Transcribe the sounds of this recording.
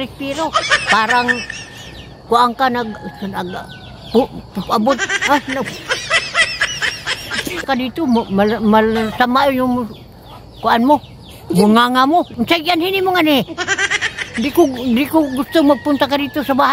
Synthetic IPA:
ɾɪspiɾopaɾaŋ | kuaŋkanaɡnaɡ | ppabʊt̪̚anaɡ | kadit̪ʊmmamasamaujuŋ | kuanmo | ɡuŋaŋamoʊnsaɡianhinimoŋani | nd̪ikʊnd̪ikoɡʊst̪ʊŋmaɡ̚pʊnt̪akadit̪ʊsabaɦa

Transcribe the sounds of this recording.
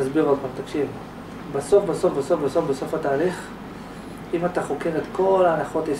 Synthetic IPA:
asbiʁadpamt̪akʃiv | baso̞fbaso̞fbasofbaso̞fbeso̞fat̪aːliχ | imat̪aχokeʁet̪ko̞lanaχo̞t̪is

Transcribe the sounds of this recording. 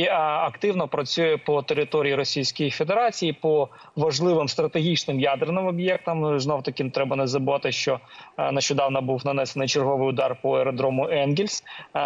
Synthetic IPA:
ɐkt̪ɪwnɔpɾɐt͡sʲujɛpɔt̪eɾɪt̪ɔɾʲijiɾɔsʲijsʲkʊjifʲe̞d̪eɾɑt͡sʲijipɔ | ʋɐʒlˠɪʋɪmst̪ɾɐt̪eɦʲit͡ʃnɪmjad̪rnɪmɔbjɛk̚t̪ɐmznɔwt̪ɐkʲɪnt̪ɾɛbɐnɛzɐbʊʋɑt̪ɪʃt͡ʃɔnɐʃt͡ʃɔd̪ɑwnɐbuwnɐnɛsenɪjt͡ʃerɦɔʋɪjʊd̪ɑrpɔeɾɔd̪ɾɔmʊʔɛnɡʲilʲsʲ

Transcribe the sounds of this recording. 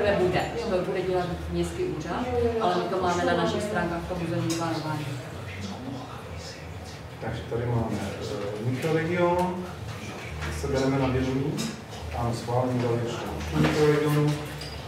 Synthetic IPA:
vɛbidɛɦobudɛɟɛlat̪mɲɛst̪kiːʔuːrat̪ʔalɛmɪk̪omːaːmɛnanaʃɪxst̪ɾaːŋkaːxft̪omuzɛmɲɲikaːnovaːʒɛs | t̪aɡʒɛt̪adɪmaːmɛ̰mɪkɾoɾɛɡɪonu | ɪsɛbɛɾɛmɛnabjɛzɛɲiː | ʔanosxʋaːlɛɲid̪alɪɛʃtɛnat̪mɪkɾoɾɛɡɪonu

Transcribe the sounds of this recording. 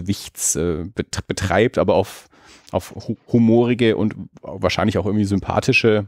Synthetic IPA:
vɪçt͡sʔɛːbəb̥ətʁ̥aɪp̚tʔa̰ːbɐaʊf | ʔa̰ʊfhhumoːʁɪɡəʔʊ̰ntv̥aːɐʃaɪnlɪçaʊxʔɪɐɡŋ̩tv̥iːzʏmpʰa̰ːtʰɪʃə

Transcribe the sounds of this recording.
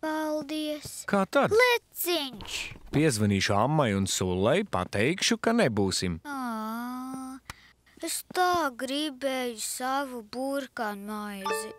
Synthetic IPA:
palˠd̪iɛskʰaːt̪ad̪lˠisiɲʲt͡ʃpiɛzʋaniːʃuamːajunsulˠːɛjpa̰t̪ɛjkʃukanebuːsima | est̪aːɡɾibeːjusavubuɾkanmajzi

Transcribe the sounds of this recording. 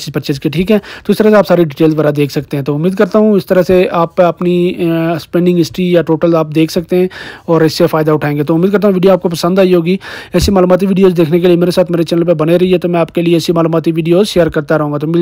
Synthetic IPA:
t͡ʃizpəɾt͡ʃed͡ʒkeʈʰiːkɦɛ̃ːt̪oɪst̪əɾaseaːpsaːɾiɖɪʈeːlzbɐɾad̪eːkʰsɐk̚t̪eɦɛ̃t̪oʊmːiːd̪kɐɾt̪aɦũɪst̪əɾəseaːpɐpnispɛ̃ːɳɖɪ̃ŋɡɪsʈɾijaʈoːʈəlaːp̚d̪eːkʰsɐk̚t̪eɦɛ̃ːɔːɾɪsːefaːɪd̪aʊʈʰaːẽːŋɡet̪oʊmːiːd̪kɐɾt̪̬aɦũʋiːɖijoaːp̚kopɐsə̃nd̪aːiɦoːɡiɛːsimaːluːmaːt̪̬iʋiːɖijoːzd̪eːkʰnek̬eliemeːɾesaːt̪ʰmeːɾet͡ʃɛːnəlp̬ebɐneɾɐiɦɛt̪omɛ̃aːp̚kelieɛːsimaːluːmaːt̪iʋiːɖijoːzʃeːəɾkɐɾt̪aɾɐɦũːɡat̪om

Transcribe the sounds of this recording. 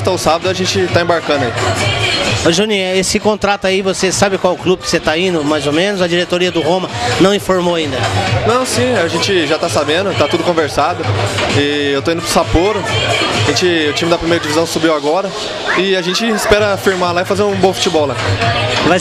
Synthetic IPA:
t̪ɐ̃ʊsabɐd̪ʊaʒẽnt͡ʃɪt̪aẽbaɾkɐ̃d̪ʊɐi | ʒunĩesɪkõnt̪ɾat̪aivosesabɪkwawʊklubɪkɪ̥set̪aĩnd̪ʊmajzomẽnʊzɐd͡ʒiɾet̪oɾiɐd̪ʊɦõmɐnɐ̃w̃ĩfoɾmowaĩnd̪ɐnɐ̃w̃sĩaʒẽt͡ʃɪʒat̪asabẽnd̪ʊt̪at̪ud̪ʊkõveɾsad̪ʊɪewt̪oĩʊpɾʊsapoɾʊaʒẽnt͡ʃɪʊt͡ʃĩmɪd̪ɐpɾimejɾɐd͡ʒivizɐ̃w̃subiwaɡɔɾɐ | ɪaʒẽnt͡ʃɪɪspɛɾɐfiɾmalaɪfazeɾũbõfu̥t͡ʃibɔwlava

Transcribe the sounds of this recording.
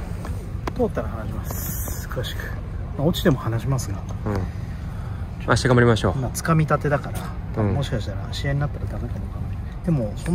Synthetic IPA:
t̪o̞ːt̪ːaɾahanaɕimasɨ̥kɯ̟βaɕi̥kɯ̟̥ | mao̞t͡ɕi̥d̪e̞mo̞hanaɕimasɨɡa | ɯ̃ | aɕt̪eɡamaɾʲimaɕo̞ːmat͡sɨ̥kamʲit̪at̪e̞d̪akaɾa | amo̞ɕi̥kaɕi̥t̪aɾaːɕiaɲinat̪ːaɾad̪akakenokana | d̪̥e̞mo̞so

